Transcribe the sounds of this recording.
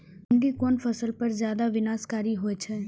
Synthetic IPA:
ɳɖikoːnfʰɐsəlpɐɾzjaːd̪aʋɪnaːskaːɾiɦoet͡ʃʰɛː

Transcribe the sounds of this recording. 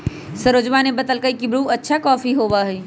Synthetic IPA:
səɾod͡ʒʋaːnebət̪əlkəikibɾuːɐtːʃʰakɔːfiɦoːʋaɦɛː

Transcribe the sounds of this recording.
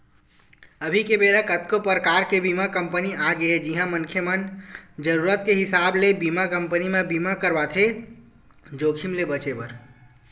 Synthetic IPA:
əbʱikebeɾəkət̪kopɾəkaɾkebimakə̃mpəniaɡeɦed͡ʒiɦãmənkʰjəmənd͡ʒəɾuɾət̪̚keɦɪsablebimakəmpənimẽbimakəɾbat̪ʰe | d͡ʒokʰimlebət͡ʃepəɾ

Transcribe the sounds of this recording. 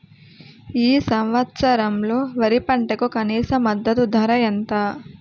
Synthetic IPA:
iːsɐmʋɐt̪sɐɾɐmloːʋɐɾipɐɳʈɐkukɐniːsɐmːɐd̪ːɐt̪ud̪ʱɐɾɐjɐnt̪aː

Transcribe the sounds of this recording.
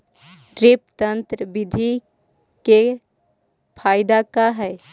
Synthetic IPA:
ɾeːpt̪ə̃nt̪ɾəbɪd̪ʱi | ke | pʰaːɪd̪akaɦɛ

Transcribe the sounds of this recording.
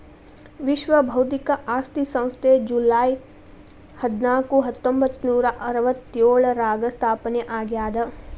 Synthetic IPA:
ʋiʃʋɐbʱɐwt̪ikɐʔaːst̪isɐ̃w̃st̪ʰed͡ʒulaːj | hɐd̪naːkuɦɐt̪ːõmbʱɐt̪ːnuːɾɐʔɐɾɐʋɐt̪ːijoːɭɐɾaːɡɐst̪ʰaːpɐneʔaːɡjaːd̪ɐ

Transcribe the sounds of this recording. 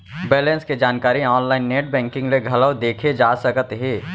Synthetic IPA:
bɛːlə̃nsked͡ʒaːnkaːɾiɔːnlaːɪnːeːʈ̚bɛ̃ːŋkɪ̃ŋɡleɡʱɐləʋd̪eːkʰed͡ʒaːsɐkət̪ɦeː

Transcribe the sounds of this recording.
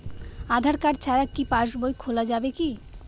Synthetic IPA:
ad̪ʱaɾkaɾt͡ɕʰaɾakːipaʃbojkʰolad͡ʑabeki

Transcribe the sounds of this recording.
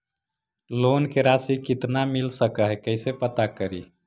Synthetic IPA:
lonkeɾasikit̪namilsəkəɦɛkəɦsepət̪akəɾi

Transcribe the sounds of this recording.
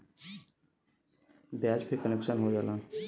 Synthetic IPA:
bjaːd͡ʒpʰeɾkənekʃənɦod͡ʒaːlãː

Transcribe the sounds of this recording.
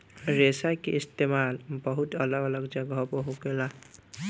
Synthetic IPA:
ɹesajkeist̪emalbɔɦutɔlɔɡɔlɔkd͡ʒaɡɔɦɔbɔɦokela

